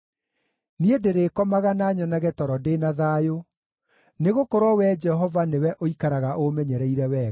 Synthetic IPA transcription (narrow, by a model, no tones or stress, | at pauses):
niedeɾekɔmaɣanaɲɔnaɣɛtɔɾɔdenaðajo | neɣokɔɾwɔwɛd͡ʒɛɦɔvanewɛʔoikaɾaɣaʔomɛɲɛɾɛiɾɛwɛ